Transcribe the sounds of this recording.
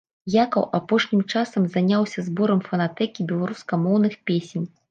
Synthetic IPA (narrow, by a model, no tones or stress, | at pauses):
jakɐwʔapɔʂnʲimt͡ʂasɐmzanʲawsʲɐzbɔɾɐmfɐnat̪ɛkʲibʲɛlˠaɾuskɐmɔwn̪ɨxpʲesʲenʲ